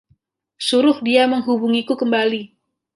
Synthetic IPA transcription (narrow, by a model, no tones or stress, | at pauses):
suɾʊhdiaməŋɦubuŋikukəmbali